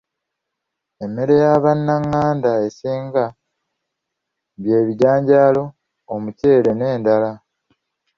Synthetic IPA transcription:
e̞mːe̞ɾe̞jaβanːaŋːaːndaesiːŋɡa | βje̞ːβiɟaːɲɟaːlo̞ː | muce̞ːɾe̞ne̞ːndala

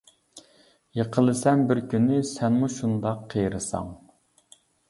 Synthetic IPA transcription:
jeqʰəlˠɨsɛnbɪɾkʲʰynːɪsɛnmuʃund̪ɑqʰːəjɾɨsɑ̰ŋ

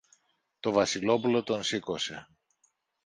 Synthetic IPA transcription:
t̪o̞vɐsilo̞pulo̞t̪o̞nsiko̞se̞

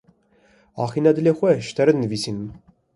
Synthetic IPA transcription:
ɑːxinɛd̪ɨlexʷɛʃt̪ʰɛɾɨd̪nəviːsinm

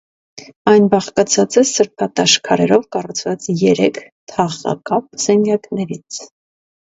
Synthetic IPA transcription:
ɑjnbɑχkɑt͡sʰɑt͡sɛsəɾpʰɑt̪ɑʃkʰɑɾɛɾɔvkɑrut͡sʰvɑt͡sjɛɾɛkʰ | t̪ʰɑʁɑ̰kɑp̚z̥ɛŋɡjɑknɛɾit͡sʰ

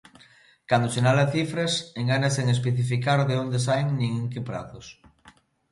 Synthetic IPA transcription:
kand̪osenalaθifɾeseŋɡanaseŋespeθifikaɾðeond̪esajŋnĩŋeŋkepɾa̰θos

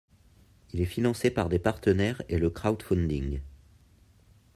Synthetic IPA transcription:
ilɛfinɑ̃sepaʁd̪epaʁt̪ənɛʁeləkχaut̪fɔ̃nd̪ĩŋ

